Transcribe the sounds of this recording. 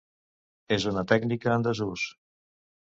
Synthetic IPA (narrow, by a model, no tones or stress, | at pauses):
ezunət̪ɛɡnikəːnd̪əzus